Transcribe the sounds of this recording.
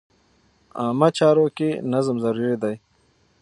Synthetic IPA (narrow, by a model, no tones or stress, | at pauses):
aːmɐt͡ɕaːɾokenɐzmzɐɾuːɾid̪aj